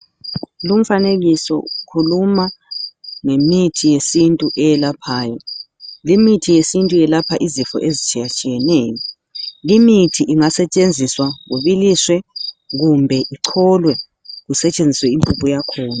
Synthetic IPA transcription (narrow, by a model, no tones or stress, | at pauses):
lum̩faneɣisɔ̰kʰuluma | ŋemitʰijesintʼuʔɛjɛlapʰaːjɔ | limitʰijesintʼujɛlapʰaʔizifɔ̰ʔezit͡ʃʼijat͡ʃʼijɛnɛːjɔ | limitʰiʔiŋasɛt͡ʃʼend͡zʱiswaɣuβiliswɛɣumbʱɛʔiǀʰɔlwɛ | ɣusɛt͡ʃʼend͡zʱiswɛimpʼupʼujakʰɔːna